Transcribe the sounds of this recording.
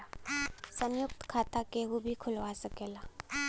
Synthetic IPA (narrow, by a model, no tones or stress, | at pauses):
sə̃mjʊkt̪kʰaːt̪akeɦubʱikʰʊlʋasəkeːlaː